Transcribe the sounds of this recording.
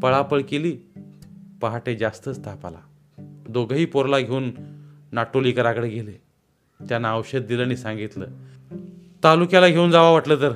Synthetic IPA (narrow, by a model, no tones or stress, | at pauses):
pəɭapəɭkeliː | paɦaʈed͡zast̪ət͡st̪apa̰la̰ | d̪oɡʱəɦiːpoɾlaɡʱeuːnːaʈːolikəɾakəɽeɡʱele | t̪janːaːwɕət̪̚d̪iləaɽ̃isãŋɡit̪lə̰ː | t̪alukjalaɡʱeund͡zaʋaʋaʈləːt̪əɾ